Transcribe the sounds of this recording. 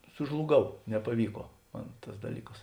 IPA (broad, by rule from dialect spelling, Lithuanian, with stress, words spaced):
sʊʒlˠʊˈɡɐʊ nʲɛpɐˈʋʲiːkoː ˈmɐn ˈtɐs dɐˈlʲiːkɐs